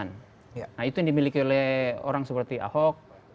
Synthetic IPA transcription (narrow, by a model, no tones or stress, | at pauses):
n | nahit̪ujaŋdimilikiolɛo̰ɾaŋsəpərt̪ia̰hɔk̚